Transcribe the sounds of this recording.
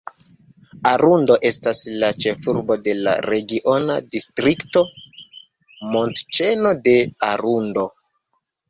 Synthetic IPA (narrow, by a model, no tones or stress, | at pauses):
aɾundo̞ʔe̞staslat͡ʃe̞fuɾbo̞de̞la̰ɾe̞ɡiʔo̞nadistɾikto̞ | mo̞ntt͡ʃe̞no̞de̞aɾundo̞